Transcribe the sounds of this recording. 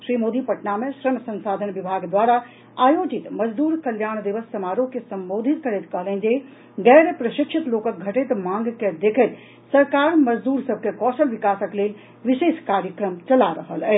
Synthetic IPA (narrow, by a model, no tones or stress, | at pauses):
ʃɾiːmoːd̪ipəʈnamẽʃɾəmsə̃nsaːd̪ʱənʋɪbʱaɡd̪waːɾa | aːjoːd͡ʒit̪məd͡ʒd̪uːɾkəljaːɽ̃d̪iʋəsːɐmaːɾõkesə̃mboːd̪ʱit̪̚kəɾɛt̪kəɦlẽnd͡ʒe | ɡɛːɾpɾəʃɪkʃʰit̪loːkək̪̚ɡʱɐʈet̪mãŋɡked̪ekʰət̪ | sɐɾkaːɾməd͡ʒd̪uːɾsəb̚ʱkekɔːsəlʋɪkaːsəkleːl | ʋɪʃeːʃkaːɾjəkɾəmt͡ʃɐlaɾəɦəlɛ